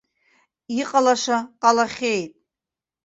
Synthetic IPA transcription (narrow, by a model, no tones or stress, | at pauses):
iqʼalaʂaqʼɑlaχʲejtʼ